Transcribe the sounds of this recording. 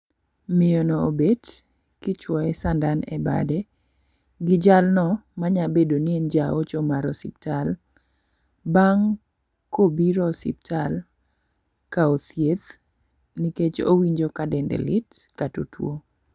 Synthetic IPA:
mɪjɔnɔobed | kɪt͡ʃwɔɛsandanɛ̰ba̰dɛ | ɡɪd͡ʒalnɔmaɲabedoniend͡ʒaot͡ʃɔmaɾɔsiptal | baŋ | kobiɾɔsḭp̚tʰal | kaot̪jet̪ | niket͡ʃo̰wiɲd͡ʒokadɛndɛ̰lɪtkatotʰwo

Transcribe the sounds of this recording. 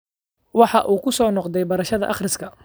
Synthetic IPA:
wɑħɑʔuːkʰʊsɔːnɔqd̪ɛjbɐɾɐʃɐðɐ̰ʔɑχrɪskʰɐ

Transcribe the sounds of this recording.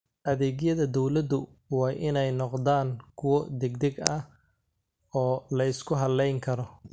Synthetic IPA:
ʔɐðɛːɡjɐðɐd̪ɔwlɐd̪ʊ | wɑːʔɪnɛjnɔqd̪aːŋkʰʊwɔd̪ɛɡd̪ɛɡɐh | ɔːlɐɪskʰʊɦɐlɛjŋkʰɐɾɔ

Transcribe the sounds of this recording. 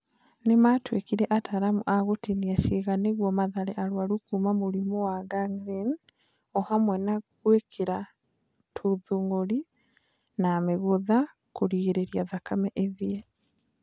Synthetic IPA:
nematwekiɾɛʔataɾamoʔaɣotiniaʃeɣaneɣwɔmaðaɾɛʔaɾwaɾukumamoɾimowaɡaŋɡɾin | ɔhamwɛnaɣwekʰeɾa | tʰuðuŋɡoɾi | nameɣoða | koɾiɣeɾeɾiaðakamɛʔeðie

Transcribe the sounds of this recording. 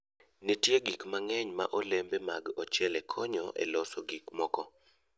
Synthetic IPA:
netjeɡikmaŋɛɲma̰ʔɔlembema̰ɡɔt͡ʃɛlɛkʰɔɲɔ̰ʔḛlɔsoɡikmɔkɔ

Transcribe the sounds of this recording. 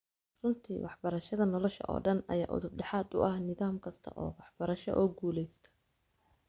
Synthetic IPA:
rʊnt̪ʰḭːwɑħbɐɾɐʃɐðɐnɔlɔʃɐ̰ʔɔ̰ːɖɐnɐ̰jaːʔʊ̰ðʊb̚ɖɛħɑːd̪ʊ̰ʔɐhnɪðaːmkʰɐst̪ʰɐ̰ʔɔ̰ːwɑħbɐɾɐʃɔ̰ʔɔːɡuːlɛjst̪ʰɐ̥

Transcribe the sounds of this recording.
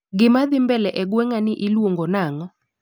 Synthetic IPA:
ɡɪmaðɪmbɛlɛʔɛɡwɛŋanɪʔɪlwoŋɡɔnaŋɔ

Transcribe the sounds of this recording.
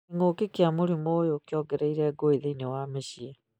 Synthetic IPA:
iŋoːkekiamoɾimoːjokjɔɡɛɾeiɾɛːɡoeðeinewaːmeɕiɛ

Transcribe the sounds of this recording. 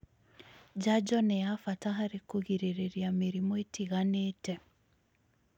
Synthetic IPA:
d͡ʒad͡ʒɔnejafataɦaɾekoɣiɾeɾeɾjameɾimoetiɣaneːtɛ

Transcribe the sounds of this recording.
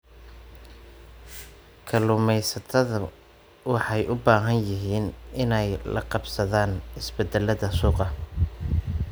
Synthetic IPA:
kʰɐlʊmɛjsɐt̪ʰɐðɐ | wɑħɑjʔʊbaːɦɐnjɪɦiːnɪnɛjlɐ̰qɑbsɐðaːnɪsbɛd̪ɛlɐðɐsuːqɑ

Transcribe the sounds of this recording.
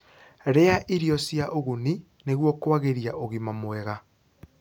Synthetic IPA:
ɾeaʔiɾijɔsjaʔoɣuni | neɣwɔkwaɣeɾiaʔoɣimamwɛɣa

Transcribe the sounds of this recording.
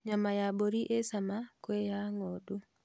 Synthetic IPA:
ɲamajaboɾiʔesamakwejaŋɔdu

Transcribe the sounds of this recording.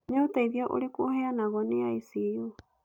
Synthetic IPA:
ɲautaiðjɔʔo̰ɾekoheanaɣɔneaisijo

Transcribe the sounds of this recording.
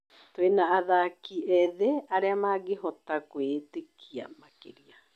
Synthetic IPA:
twenaːðakiɛðeaɾeamaɡeɦɔtakwetekʰia̰makḛɾia

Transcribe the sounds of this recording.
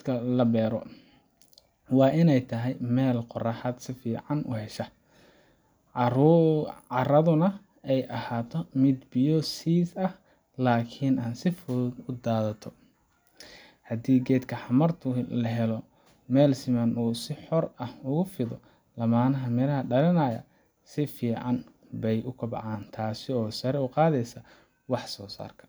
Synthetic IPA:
kʰɐlɐbɛːɾɔ | wɑːʔɪnɛjt̪ʰɐɦɛjmɛːlqʊrɐħad̪sɪfiːʕɑnʔʊ̰hɛʃɐ | ʕɑɾɐðʊnɐ | ɛjʔɐhaːt̪ʰɔmɪd̪bɪjɔsiːsɐh | laːkʰɪnaːnsɪfɔɡʊd̪aːðɐt̪ʰɔ | hɐd̪iːɡɛːd̪kʰɐħɑmɐrt̪ʰʊlɐɦɛlɔ | mɛːlsɪmɐnuːsɪħɔrɐhʊɣʊfɪðɔ | lɐmaːnɐɦɐmɪɾɐɦɐɖɐlɪnɐːjɐ̰ | sɪfiːʕɑn | bɛjʔʊkʰɐbɑ̰ʕaːnt̪ʰaːsɪɔːsɐɾɛʊqɑːðɛjsɐ | wɑħsɔːsa̰ːrkʰɐ̥

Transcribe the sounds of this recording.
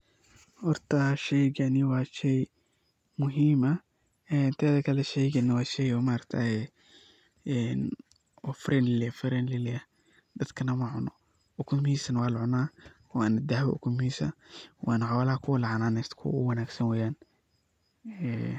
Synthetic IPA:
hɔrt̪ʰɐʃɛjɡɐnɪwɑːʃɛj | mʊɦiːmɐ | ɛnt̪ʰaːðɐkʰɐlɛʃɛjɡɐnɪwɑːʃɛjɔːmaːɾɐkt̪ʰaːɛ | ɛn | wɔfɾʔɛnlɪlɪfɾɛnlɪlɪɐ | d̪ɐd̪kʰɐnɐmɐʕʊnɔ | ʊkʰʊmhiːsɐnwɑːlʕʊnaː | waːnd̪ahwɐ̰ʔʊ̰kʰʊmhiːsɐwʔa̰ːnʕawlɐhɐkʰʊwɐlɑʕɑnaːnɛst̪kʰʊ̰ʊ̰wɐnaːɡsɐnwɛːjaːn | ɛː

